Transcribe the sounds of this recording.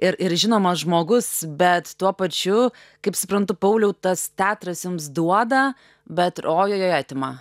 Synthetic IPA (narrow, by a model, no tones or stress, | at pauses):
ɪɾɪɾʒʲɪnoːmɐʒmoːɡʊsbʲɛt̪t̪uɔpɐt͡ʃʲʊ | kɐɪpsʊpɾɐnt̪ʊpɐʊlʲɛʊt̪ɐst̪ʲæːt̪ɾɐsjʊmsd̪uɔd̪ɐ | bʲɛt̪oːjoːjoːjɛːt̪ʲɪmɑ